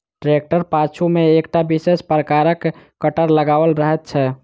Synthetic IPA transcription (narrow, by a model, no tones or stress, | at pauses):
ʈɾek̚ʈəɾpat͡ʃʰumeːkʈabisespɾəkaɾəkː | əʈəɾləɡaʋəlɾəɦɛt̪̚t͡ʃʰɛ